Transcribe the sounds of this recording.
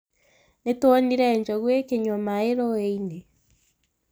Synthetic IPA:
netwoniɾɛɲd͡ʒɔɣwekeɲomaeɾɔeine

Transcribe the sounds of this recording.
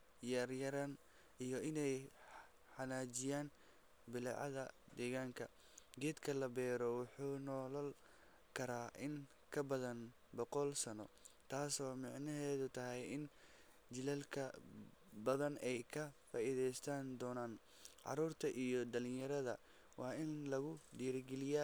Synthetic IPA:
jaːrjɐɾan | ijɔʔɪnɛj | ħɑnaːt͡ʃɪjaːn | bɪlɑʕɑ̰ðɐd̪ɛːɣaːŋkʰɐ | ɡɛːd̪kʰɐlɐbɛːɾɔwʊħuːnɔːlɐl | kʰɐɾaːʔɪŋ | kʰɐbɐðɐn | bɔqɔlsɐnɔ̰t̪ʰaːsɔːmɑʕnɐɦɛːðʊt̪ʰɐɦɛjɪn | t͡ʃɪlɛlkʰɐ | bɐðɐnɛjkʰɐfaːʔiðɛjst̪ʰaːnd̪ɔːnaːn | ʕɑ̰ɾuːrt̪ʰɐʔijɔd̪ɐlɪnjɐɾɐðɐ | wɑːɪnlɐɣʊdiːɾɡɛlɪjaː

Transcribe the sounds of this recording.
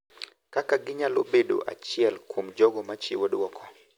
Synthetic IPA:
kakaɡɪɲalobeɗo̰ʔa̰t͡ʃɪɛlkʰomd͡ʒɔɡɔmat͡ʃiwɔɗwɔkʰɔ

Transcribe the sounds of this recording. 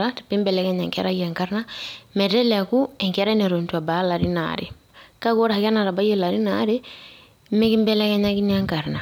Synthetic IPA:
atḁpimbɛlɛkɛɲaŋkɛ̰ɾajaŋkaɾnamɛtɛlakuɛŋkɛɾaineɾontuabalaɾina̰ɾḭ | kakoɾahakanaɾabajelaɾinaɾi | mekimbɛlɛkɛɲakiniaŋkaɾna

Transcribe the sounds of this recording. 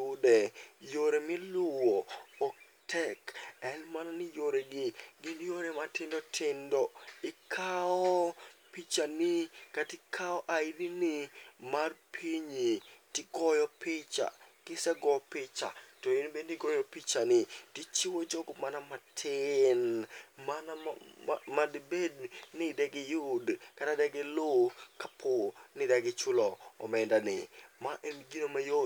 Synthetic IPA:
ʊdɛjoɾemɪlʊwoːk̚ | tʰɛkɛnmananɪjoɾeɡɪɡɪnjoɾematɪndɔtʰɪndɔɪkʰaɔpit͡ʃanikatɪkʰaɔʔaidinɪmarpʰiɲitɪɡɔjɔpɪt͡ʃa̰kɪsɛɡɔpɪt͡ʃa̰tɔɪnbenɪɡɔjɔpit͡ʃanɪtit͡ʃiwod͡ʒɔɡɔmanamatʰɪnmana | madbednɪdɛɡɪjʊdkatadɛɡɛlokapʰonɪdaɡɪt͡ʃʊlɔɔ̰mɛndanɪmaʔɛnɡinomajo

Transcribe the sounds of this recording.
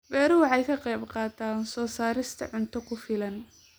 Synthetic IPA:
bɛːɾʊwɑħɑjkʰɐqɛjbqɑːt̪ʰaːnsɔːsaːɾɪst̪ʰɐ̰ʕʊnt̪ʰɔkʰʊfɪlɐn

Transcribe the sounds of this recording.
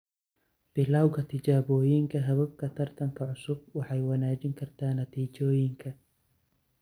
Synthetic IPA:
b̥ɪlaːwkʰɐt̪ʰɪt͡ʃaːβɔːjɪŋkʰɐɦɐβɐb̚kʰɐt̪ʰɐrt̪ʰɐŋkʰɐʕʊsʊb̚wɑħɑjwɑnaːt͡ʃɪŋkʰɐrt̪ʰaːnɐt̪ʰiːt͡ʃɔːjɪŋkʰɐ

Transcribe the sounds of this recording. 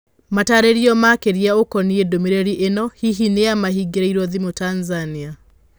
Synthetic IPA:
mataːɾeɾiɔmakeɾiaokɔniedomiɾɛɾiʔenɔhiɦinejamaɦiɡeɾaiɾɔðimotanzania

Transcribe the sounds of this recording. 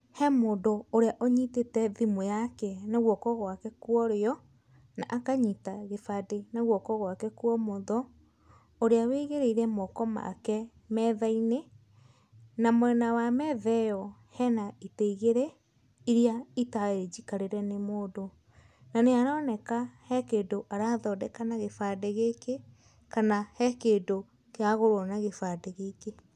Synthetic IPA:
hɛmoːdooɾeaʔɔɲitetɛðimojakɛnaɣwɔkɔɣwakɛkwɔɾeɔ | naʔakaɲitaɣefadenaɣwɔkɔɣwakɛkwɔmoðɔ | oɾeaweɣeɾeiɾɛmɔkɔma̰kɛ | mɛðaine | namwɛnawamɛðɛjɔhɛnaiteiɣeɾɛ | iɾiaitaeɾed͡ʒikaɾeɾɛnemoːdo | naneaɾɔːnɛkahɛkeːdoʔaɾaːðɔdɛkanaɣefadeɣeke | kanahɛkeːdo | keaɣoɾwɔnaɣefadeɣeke

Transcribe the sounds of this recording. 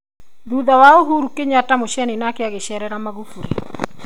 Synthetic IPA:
ðuðawaoɦuɾukeɲatamoʃɛninakeaɣeʃɛɾɛɾamaɣufuɾḛ

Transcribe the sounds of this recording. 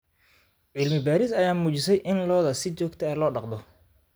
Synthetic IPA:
ʕɪlmɪbaːɾɪsɐjaːmuːt͡ʃɪsɛjʔɪnlɔːðɐsɪt͡ʃɔːɡt̪ʰɐɛːlɔːɖɑqd̪ɔ

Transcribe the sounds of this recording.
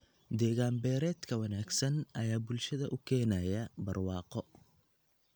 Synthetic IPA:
d̪ɛːɣaːmbɛːɾɛːd̪kʰɐwɐnaːɡsɐnɐjaːbʊlʃɐðɐʔʊkʰɛːnɐjɐbɐrwɑːqɔ

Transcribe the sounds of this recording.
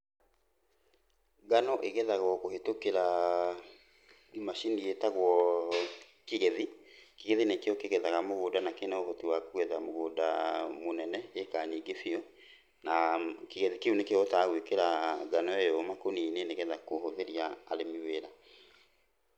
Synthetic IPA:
ɡanɔʔeɣɛðaɣɔkohetokeɾa | imaʃinietaɣwɔ | keɣeðikeɣeðinekeɔkeɣɛðaɣamoɣoːdanakenɛohotiwakoɣɛðamoɣoːdamonɛnɛekaɲiɡefiɔ | nakeɣeðikeunekeotaːɣwekeɾaɡanɔejɔmakonineneɣɛðakohoðeɾiaːɾemiweɾa

